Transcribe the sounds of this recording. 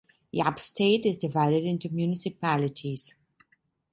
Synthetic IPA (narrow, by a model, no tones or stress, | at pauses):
jabstʰeːʈɪzdɪvaɪɾɪdɪ̃ntumjunɪsɪpælɪʈʰiz̥